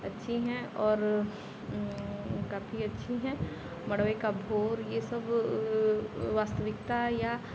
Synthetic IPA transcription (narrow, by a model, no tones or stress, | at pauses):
ɐtːʃʰiɦɛ̃ɔːɾ | kaːfʰiɐtːʃʰiɦɛ̃ | mɐɽʋekabʱoːɾjesɐb | ʋaːst̪əʋɪkt̪aja